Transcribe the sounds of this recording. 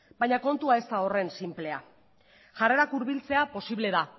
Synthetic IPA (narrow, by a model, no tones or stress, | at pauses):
bajɲako̞nt̪uae̞st̪ao̞re̞nsimple̞a | ʝare̞ɾakuɾβilt͡se̞apo̞siβle̞ða